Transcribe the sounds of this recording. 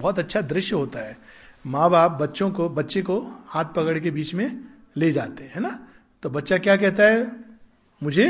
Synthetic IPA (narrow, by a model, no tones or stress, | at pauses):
bɔːt̪ɐtːʃʰad̪ɾɪʃjəɦoːt̪aɦɛːmãːbaːp̚bɐtːʃõkobɐtːʃekohãːt̪̚ʰpɐkəɽkebiːt͡ʃmẽ | led͡ʒaːt̪eɦɛ̃ːna | t̪obɐtːʃakjaːk̬ɛɦt̪aɦɛ | mʊd͡ʒʱe